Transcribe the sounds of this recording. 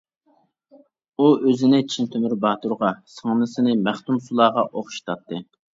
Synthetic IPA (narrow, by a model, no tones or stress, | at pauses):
uøzɪnɪt͡ʃʰint̪ʰømyɾbɑːt̪uɾʁɑsəŋnɨsɨnɨmæχt̪umsulˠɑːʁɑʔoχʃi̥t̪ʰɑt̪ʰːɨ